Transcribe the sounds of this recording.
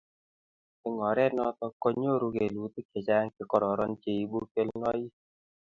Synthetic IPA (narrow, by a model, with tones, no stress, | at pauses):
ɪ˦ŋɔ˨ɾɛ˦nɔ˦t̪ɔ˦kːo˦ɲo˦ɾu˧ke˨lu˨˦t̪i˦ke˨t͡ʃa˦ŋkɪ˨kɔ˦ɾɔ˨ɾɔ˦nt͡ʃe˦˨i˨bu˦ke˦lŋɔ˦ji˦